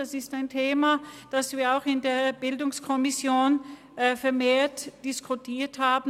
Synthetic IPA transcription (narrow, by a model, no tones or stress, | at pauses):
asɪstaɪntʰeːmad̥asv̥iːɐaʊxɪndeːɐb̥ɪldʊŋskʰɔmɪsjoːn | fɛɐmeːɐtd̥ɪskʰʊtʰiːɐthaːbn̩